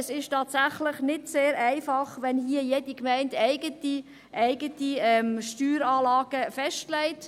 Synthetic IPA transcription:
əsɪʃtɑːtsæχlɪχnɪdseːɾæɪfɑχʋɛnhiəjedikmæɪndæɪɡ̥əti | ʔæɪɡətiɛmʃtyːɾɑːlɑːɡ̥əfɛʃtlɛɪt

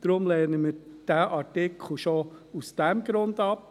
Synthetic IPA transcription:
d̥ɾʊmlɛːnəməɾd̥æʔɑɾtɪkʰl̩ʃousd̥ɛmɡ̥ɾʊndɑp

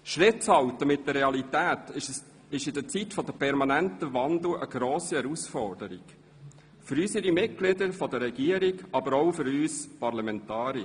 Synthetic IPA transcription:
ʃʁɪt̚t͡shɑltəmɪt̚dəɾːɛɑlit̪æːt̪ | ɪʃɪdət͡sitfɔd̪əpʰɛɾmɑnæntəvɑnd̪ləʔə̰ɡ̥ɾoːsiɛɾusfɔrd̥əɾḭɡ̥ | føɾysəɾimɪt̚ɡ̥lɪd̪əɾfɔd̪əɾɛɡiəɾiɡɑbəɾɔʊfʏɾyːspɑrlɑmɛntɑːɾiə

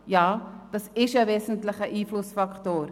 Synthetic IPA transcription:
jɑːd̥ɑsɪʃəveːzn̩tlɪχəʔiːflʊsfɑktoːr

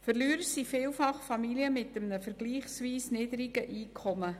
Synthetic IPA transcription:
fərlyːɾəsifɪːlfɑχfɑmiliəmɪtəmnəfəɾɡ̥liːχsviːsnɪːd̪əɾiɡəʔiːkʰɔmə

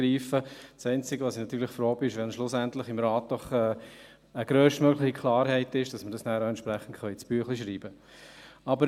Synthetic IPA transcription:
ɾiːfəsɛɪnt͡sɪɡəʋɑsinɑt̪yːɾlɪχfɾoːbiːɪʃʋɛnʃlʊsæntlɪχɪmɾɑːt̚d̥ɔχɛː | əɡ̥ɾøːʃtmøɡlɪχikʰlɑːɾhɛɪtɪʃd̥ɑsmədɑsnæːɾoʊɛntʃpɾæχən̩tχœʏt͡sb̥yəχliʃɾiːbə | ɑbəɾ

